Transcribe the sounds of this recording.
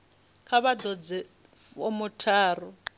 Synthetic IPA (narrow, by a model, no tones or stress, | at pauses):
kʰaβadɔd͡zɛ | omʊtʰaːrɔ